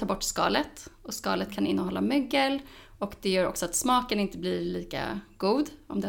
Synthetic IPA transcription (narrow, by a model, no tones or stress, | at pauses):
ɑːbɔʈːskɑ̰ːlət̪ɔskɑ̰ːlət̪kʰanɪnːɔhɔlːamœɡːəl | ɔkd̪ɛjœːɾɔ̰ksɔat̪smɑːkənɪnt̪əblɪɾɭiːka̰ɡ̥uːd̪ɔmd̪ɛ